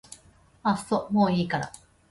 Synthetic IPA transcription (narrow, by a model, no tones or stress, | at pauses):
asomoːiːkaɾa̰